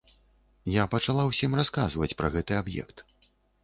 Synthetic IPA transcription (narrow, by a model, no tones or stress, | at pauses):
japɐt͡ʂalˠawsʲimraskazvɐt͡sʲpɾɐɣɛt̪ɨabjɛ̰kt̪